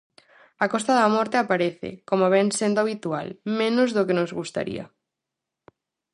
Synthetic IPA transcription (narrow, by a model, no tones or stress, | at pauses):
akɔst̪aðɐmɔɾt̪eapaɾeθɪ̰komoβɛnsend̪oaβit̪ua̰lmẽnʊzðokenozɣust̪a̰ɾḭɐ̰